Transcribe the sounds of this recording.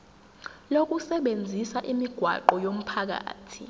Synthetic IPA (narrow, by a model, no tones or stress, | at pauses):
lok̬ʼusɛɓend͡zʱisaʔimiɡ̥ʱwa̰ǃɔjom̩pʰak̬a̰ːtʰḭ